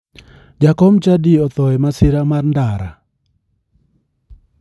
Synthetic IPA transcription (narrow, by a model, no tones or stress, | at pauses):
d͡ʒakɔmt͡ʃadiɔt̪ɔɛmasɪɾamarndaɾa̰